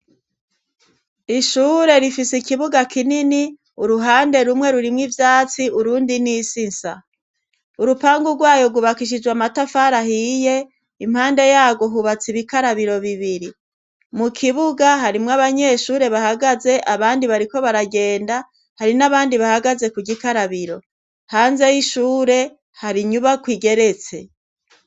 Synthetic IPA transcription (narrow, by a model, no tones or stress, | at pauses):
iʃuːɾe̞ɾifisikiβuɡakʰinini | uɾuɦaːnde̞ɾumŋe̞ɾuɾimŋivjaːt͡siuɾuːndinisinsa̰ | uɾupaːŋɡuɡwaːjo̞ɡuβakiʃ̬id͡ʒɡwamatafaɾahije̞ | im̥haːnde̞jaːɡwo̞ɦuβat͡siβikaɾaβiɾo̞βiβiɾi | mukʰiβuɡaɦaɾimŋaβaɲe̞ʃuːɾe̞βahaɡaze̞ʔaβaːndiβaɾiko̞βaɾaɡe̞ːnda | haɾinaβaːndiβahaɡaze̞kuɡikaɾaβiɾo̞ | haːnze̞jiʃuːɾe̞ | haɾiɲuβakwiːɡe̞ɾe̞t͡se̞